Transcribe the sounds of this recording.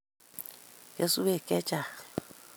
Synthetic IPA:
ke˦su˦βe˦˨kɛ˦t͡ʃa˨ɣ

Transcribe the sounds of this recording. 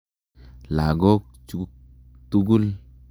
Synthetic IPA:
la˨ɡɔ˦k̚t͡ʃu˦ | t̪u˦ɡu˦l

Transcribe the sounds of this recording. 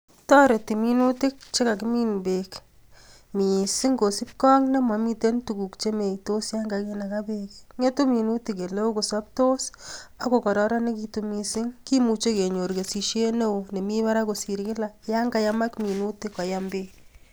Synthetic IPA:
tɔ˦ɾe˨ti˨mi˦nu˦ti˦k̚t͡ʃe˦ka˨kimi˦nbe˨k | mi˨si˦ŋko˨si˦p̚kɔ˦ŋne˦ma˨mi˦te˦ntu˨ku˨kt͡ʃe˦me˨to˦sja˦ŋɡa˨ke˦na˨ka˦bekŋe˦tu˦mi˨nu˦ti˨ke˨le˦o˦ko˨sɔ˦p̚to˦sa˦ko˨kɔ˨ɾɔ˦ɾa˦ne˦ki˦tu˧mi˨sɪ˦ŋki˦mu˨t͡ʃe˦ke˨ɲo˨ɾke˨si˨ʃe˦ne˦o˨ne˨mi˦ma˦ɾa˦ko˨si˨ɾkɪ˦la˨ja˦ŋɡa˨ja˦ma˦kmi˨nu˦ti˦kɔ˨ja˦mbe

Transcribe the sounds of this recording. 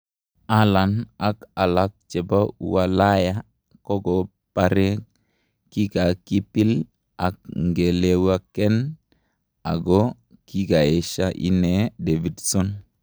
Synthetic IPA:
a˦la˨na˨ka˨la˦k̚t͡ʃe˨ba˦ṵ˨˦wa˨la˦ja˦ | ko˦ɡo˨ | pa˨ɾe˦ | ki˦ɡa˨ki˦pi˦l | a˨k̚ŋɡe˨le˨˦wa˦ke˦n | a̰˨ɡo˦ | ki˦ɡa˨e˨ʃa˦ʔḭ˦ne˨˦de˨vi˨dso˦n

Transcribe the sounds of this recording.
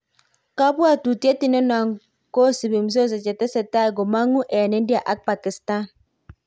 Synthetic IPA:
ka˦bwa˦˨tu˨te˦ti˦ne˦na˨ŋ | ko˦si˨bi˨m̩˨s̬o˦s̬e˨t͡ʃe˨te˦se˨ta˦˨ɡo˨ma˦ŋu˦ʔɛ˨ne˨˦n̩˦dja˨ʔa˦k̚pa˨ki˨sta˦˨n

